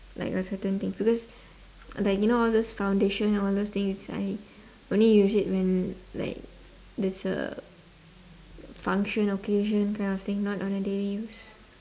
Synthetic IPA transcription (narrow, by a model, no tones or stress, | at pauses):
la̰ɪkəsətə̃nt̪ɪ̃ŋsbikɔs | laɪkjunoɔldosfãw̃ndeʃə̃nnɔldost̪ɪ̃ŋssa̰ɪ | ʔõnlijusit̚wɛ̃nla̰ɪk̚ | dɛsə̰ | fãŋkʃə̃nokʰeʒə̃nkãɪ̃ndɔft̪ɪ̃ŋnɔtɔ̃nədelijus